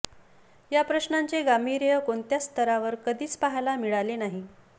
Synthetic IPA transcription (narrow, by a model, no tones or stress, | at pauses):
japɾəɕnaɲt͡seɡamiɾjəkont̪jast̪ʰəɾaʋəɾkəd̪ʱiːt͡spaɦalamiɭalenaɦi